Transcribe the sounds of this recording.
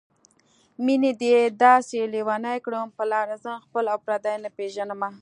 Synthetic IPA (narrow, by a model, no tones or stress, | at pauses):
mined̪ed̪ɑselewɑnajkɽəmpəlɑɾazəxpəlapɾad̪ajnapeʒanəma